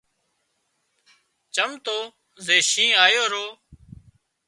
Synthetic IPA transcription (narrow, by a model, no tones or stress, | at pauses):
t͡ʃəmt̪oː | zeːʃĩːaːjoːɾoː